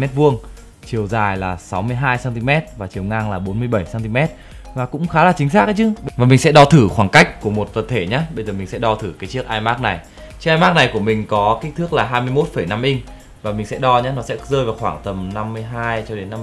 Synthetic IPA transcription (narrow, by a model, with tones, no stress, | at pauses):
mɛ˦˥t̚vu˧əŋ | t͡ɕi˨˩əwzaː˨˩jlaː˨˩sa˨˦wmɨ˧əjɦaː˧jsaː˧nt̪i˧mɛ˦˥t̚vaː˨˩t͡ɕi˨˩əwŋaː˧ŋlaː˨˩ɓo˨˦nmɨ˧əjɓə˧˩jsaː˧nt̪i˧mɛ˦˥t̚ | vaː˨˩kʊ̰˧˥ŋ͡mxaː˨˦laː˨˩t͡ɕï˨˦ŋ̟saː˦˥k̚ʔa˨˦t͡ɕɨ˨˧˦vaː˨˩mï˨˩ŋ̟sɛ̰˧˥ɗɔ˧t̪ʰɨ˧˩xwaː˧˩ŋka˦˥jk̟̚ku˧˩əmo˨˩t̚t̪ə˨˩t̪ʰe˧˩ɲaː˨˦ɓə˧jzəː˨˩mï˨˩ŋ̟sɛ̰˧˥ɗɔ˧t̪ʰɨ˧˩kaː˨˦jt͡ɕɨ˦˥ək̚ʔaː˧jmaː˦˥k̚na˨˩j | t͡ɕi˦˥ək̚ʔːmaː˦˥k̚na˨˩jku˧˩əmï˨˩ŋ̟kɔ˨˦ki˦˥k̚t̪ʰɨ˦˥ək̚laː˨˩ɦaː˧jmɨ˧əjmo˦˥t̚fə˧˩jna˧mʔï˧ŋ̟ | vaː˨˩mï˨˩ŋ̟sɛ̰˧˥ɗɔ˧ɲaː˨˦nɔ˨˦sɛ̰˧˥zəː˧jvaː˨˩wxwaː˧˩ŋt̪ə˨˩mna˧mːɨ˧əjɦaː˧jt͡ɕɔ˧ɗe˨˦nːa˧